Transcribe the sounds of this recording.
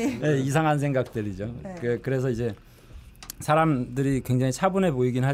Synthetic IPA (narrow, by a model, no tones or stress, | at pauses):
je̞is̬ʰaŋɦans̬ʰe̞ŋɡak̚t͈ɯɾid͡ʑokekɯɾe̞s̬ʰʌid͡ʑe̞ | sʰaɾamdɯɾikwe̞ŋd͡ʑaŋit͡ɕʰabune̞poiɡinɦa